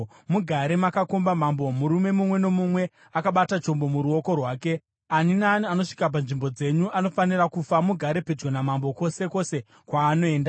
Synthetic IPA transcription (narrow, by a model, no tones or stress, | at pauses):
muɡʱaɾe̞makako̞mbamambo̞muɾume̞mumwe̞no̞mumwe̞ | akaɓatat͡ʃo̞mbo̞muɾuo̞ko̞rwaːke̞ | aninaːniano̞ʂi̥kap̬anʐimbo̞d͡ze̞ɲuʔano̞fanirakufamuɡʱaɾe̞pe̞d͡ʒɡwonamambo̞ko̞se̞ko̞se̞ | kwaːno̞e̞ːnda